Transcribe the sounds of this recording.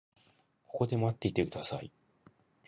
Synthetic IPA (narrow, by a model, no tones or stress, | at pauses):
ko̞kod̪e̞mat̪ːe̞it̪ekɯ̟d̪asaḭ